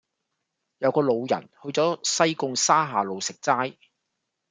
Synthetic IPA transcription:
jɐ˨˧wkɔː˧lo˨˧wjɐ̰˨˩nhɵ˧ɥt͡sɔː˨˥sɐ˥jkʊ˧ŋsaː˥ɦaː˨˩lo˨˧wsɪ˨k̚t͡saː˥j

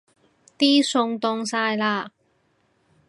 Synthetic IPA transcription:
t̪iː˥sʊ˧ŋt̪ʊ˧ŋsaː˧jlaː˧

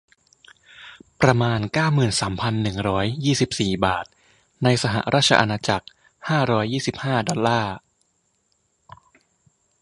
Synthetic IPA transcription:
pɾa˧maː˧nkaː˥˩wmɯː˨˩nsaː˩˦mpʰa˧nːɯ˨˩ŋɾɔː˦˥jːiː˥˩si˨˩p̚siː˨˩baː˨˩t̪̚ | na˧jsa˧ɦa̰˨˩ʔɾaː˥˩t̪̚t͡ɕʰa̰˧ʔa˧naː˧t͡ɕa˨˩k̚ | haː˥˩ɾɔː˦˥jːiː˥˩si˨˩p̚haː˥˩dɔ˧llaː˥˩

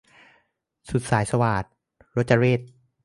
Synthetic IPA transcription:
su˨˩t̪̚saː˩˦jsa˧waː˨˩t̪̚ | ɾo˦˥t̪̚t͡ɕa˧ɾeː˥˩t̪̚

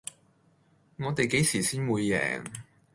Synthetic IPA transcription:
ŋɔː˨˧t̪e˨jke˨˥jsiː˨˩siː˥nwuː˨˧jːɛ̰ː˨˩ŋ

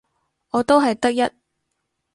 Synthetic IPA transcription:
ɔː˨˧t̪o˥wɦɐ˨jt̪ɐ˥k̚jɐ˥t̚

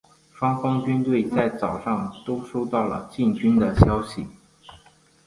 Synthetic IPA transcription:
ʂwɑ˥ŋfɑ˥ŋt͡ɕy˥nt̪we˥˩ɪt͡sa˥˩ɪt͡sɑ˨˩ʊʂɑ˥˩ŋt̪o˥ʊʂo˥ʊt̪ɑ˥˩ʊlə̰˩t͡ɕi˥˩nt͡ɕy˥nd̪ə˨ɕjɑ˥ʊɕi˨˩

